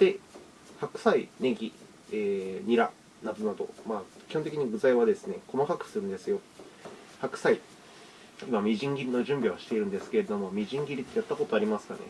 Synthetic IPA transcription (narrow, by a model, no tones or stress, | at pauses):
d̪̥e̞ | hakɯ̟̥saine̞ɡʲi | eːɲ̟iɾa̰ | nad̪o̞nad̪o̞̰maːkʲi̥hõnt̪̬ekiɲ̟iɡɯ̟zaiβad̪e̞sɨne̞ko̞makakɯ̟̥sɨɾɯ̟nd̪e̞sɨjo̞ | hakɯ̟̥sai | imamʲiʑĩŋɡʲiɾʲino̞ʑɨ̃mbʲiβ̞aɕi̥t̪e̞iɾɯ̟̃nd̪e̞sɨ̥ke̞ɾe̞d̪o̞mo̞mʲiʑĩŋɡʲiɾʲit̪ːe̞jat̪ːako̞t̪oaɾʲimasɨ̥kane̞̰